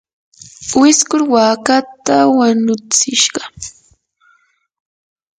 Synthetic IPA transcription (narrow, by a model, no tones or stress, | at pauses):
wɪskʊɾwaːkat̪awaɲʊt͡sɪʃɢɑ